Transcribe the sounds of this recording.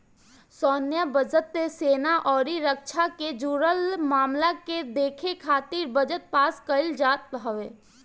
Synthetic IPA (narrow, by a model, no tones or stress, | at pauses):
sɔːnjabəd͡ʒət̪ːeseːnaʔɔːɾiɾəkt͡ʃʰaked͡ʒuːɾəlmaːmlaked̪eːkʰekʰaːt̪iɾbəd͡ʒət̪̚paːskəɪld͡ʒaːt̪̚ɦəʋe